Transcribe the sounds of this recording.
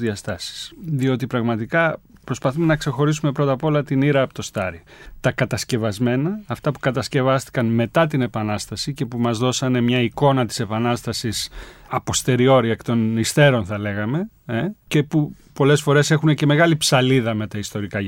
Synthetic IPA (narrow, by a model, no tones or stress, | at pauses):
ðiɐst̪ɐsi̥sðio̞t̪ipɾɐɣmɐt̪ikɐpɾo̞spɐθume̞nɐkse̞xo̞ɾis̬ume̞pɾo̞t̪ɐpo̞lɐt̪iniɾɐːpot̪o̞st̪ɐɾit̪ɐkɐt̪ɐsce̞vɐzme̞nɐːft̪ɐpu̥kɐt̪ɐsce̞vɐst̪i̥kɐnme̞t̪ɐt̪ine̞pɐnɐst̪ɐsice̞pumɐzðo̞sɐne̞mɲɐiko̞nɐt̪i̥se̞pɐnɐst̪ɐsisɐpo̞st̪e̞ɾio̞ɾiɐekt̪o̞nist̪e̞ɾo̞nθɐle̞ɣɐme̞ | ece̞pu | po̞le̞sfo̞ɾe̞se̞xunece̞me̞ɣɐlipsɐliðɐme̞t̪ɐist̪o̞ɾikɐ